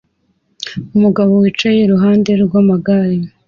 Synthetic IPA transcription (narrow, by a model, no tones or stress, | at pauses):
umuɡaβo̞wiːt͡ʃajeɾuɦaːnde̞ɾɡwamaɡaɾi